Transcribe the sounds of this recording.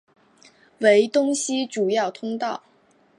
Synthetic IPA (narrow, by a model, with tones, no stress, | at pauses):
we˧˥ɪt̪ʊ˥ŋɕi˥ʈ͡ʂu˨˩jɑ˥˩ʊt̪ʰʊ˥ŋt̪ɑ˥˩ʊ